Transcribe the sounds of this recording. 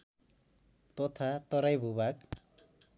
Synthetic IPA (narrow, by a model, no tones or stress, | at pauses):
t̪ɔt̪ʰat̪ɔɾajbʱubak